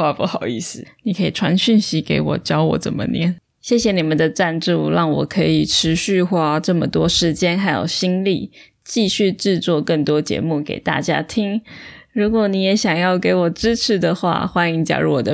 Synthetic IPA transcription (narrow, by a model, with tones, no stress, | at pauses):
a˥˧pu˥˩xɑ˨˩ʊi˥˩sɹ̩˨˩ni˨˩kʰə˧˥i˨˩ʈ͡ʂʰwa˧˥nɕy˥˩nɕi˧˥ke˧˥ɪwɔ̰˨˩t͡ɕjɑ˥ʊwɔ̰˨˥˦t͡sə̰˨˩nmə̰˦njɛ˥˦n | ɕjɛ˥˩ɕjɛ˨˩ni˨˩mə˨˦nd̪ə˨ʈ͡ʂa˥˧nʈ͡ʂu˥˧ɻɑ˥˩ŋwɔ̰˨˩kʰɤ˧˥i˨˩ʈ͡ʂʰɻ̩˧˥ɕy˥˧xwa˥˧ʈ͡ʂɤ˥˩mə˨t̪wɔ˥ʂɻ̩˧˥t͡ɕjɛ˥nxa˧˥ɪjo̰˨˩ʊɕi˥ŋli˥˨˩ | t͡ɕi˥˧ɕy˥˧ʈ͡ʂɻ̩˥˧t͡swɔ˥˧kə˥˩ŋt̪wɔ˥t͡ɕjɛ̰˧˥mu˥˩kḛ˨˩ɪt̪a̰˥˩t͡ɕja̰˥t̪ʰi˥ŋɻu˧˥kwɔ˧˥ni˧˥jɛ˧˥ɕjɑ˨˩ŋjɑ˥˩ʊke˧˥ɪwɔ˨˩ʈ͡ʂɻ̩˥ʈ͡ʂʰɻ̩˧˩˦d̪ə˨xwa̰˥˩xwa˥ni˧˥ŋt͡ɕja̰˨˩ɻṵ˥˩wɔ˨˩d̪ə˦